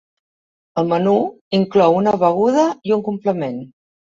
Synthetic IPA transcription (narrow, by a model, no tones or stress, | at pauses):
əlˠmənu | iŋklɔwunəβəɣ̞uð̞əiuŋkumpləmen